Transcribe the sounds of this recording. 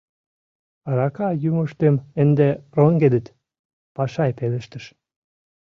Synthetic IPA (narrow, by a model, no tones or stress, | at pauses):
ɑɾɑkɑjuməʃt̪emənd̪eroŋɡed̪ə̆t̪ | pɑʃɑjpelə̆ʃt̪ə̆ʃ